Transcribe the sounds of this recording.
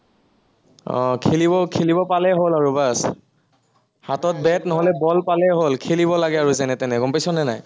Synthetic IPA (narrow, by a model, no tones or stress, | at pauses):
ɔ̰̃kʰelibɔkʰelibɔpalɛɦolaɹubas | hatɔt̚bɛtnɔɦɔlɛbɔlpalɛɦolkʰeliβɔlaɡɛaɹuzanɛtɛnɛɡɔmpajsɔnɛnaj